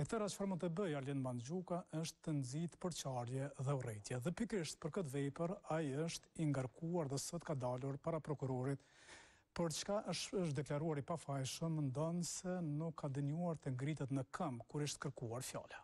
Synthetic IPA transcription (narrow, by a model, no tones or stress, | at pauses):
ɛt̪ɛɾat͡ʃə̥faɾmunt̪əbəjalɛnmand͡ʒukaʔəʃt̪ːənzit̪pəɾt͡ʃaɾjɛðɛurɛt̪jɛðɛpikɾiʃt̪̚pəɾkət̪̬vɛpəɾajəʃt̪iŋɡaɾkʰuaɾðɛsɔt̪kad̪aluɾpaɾapɾɔkuɾɔɾit̪ | pəɾt͡ʃkaʔəʃəʃt̪̚d̪ɛklaɾuaɾipafajʃəmːənd̪ɔnsɛnukʰːad̪əɲuaɾt̪ɛŋɡɾit̪ɛt̪nəkʰəmkuɾiʃt̪kəɾkuaɾfja̰la